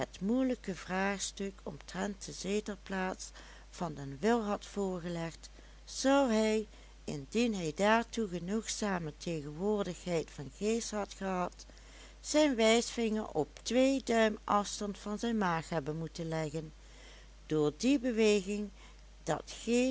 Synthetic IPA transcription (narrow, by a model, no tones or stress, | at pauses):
ɦətmujləkəvraːχstɵkɔ̰mtrɛnt̚dəzeːtəɹplaːts | fɑndənʋɪlˠɦɑtfʊːɹɣəlɛχt | z̥ʌwɦɛj | ɪndinɦɛjdaːɹtuɣənuxsaːmətʰejɣənʋʊːɹdəxɦɛjtfɑnɣeːstɦɑtχəɦɑt | z̥ɛjnʋɛjsfɪŋəɹɔ̰p̚tʋeːjdœɥmʔɑfstɑntfɑnzɛjnmaːxɦɛbənmutənlɛɣən | d̥ʊːɹdibəʋeːɣɪŋ | d̥ɑ̰txe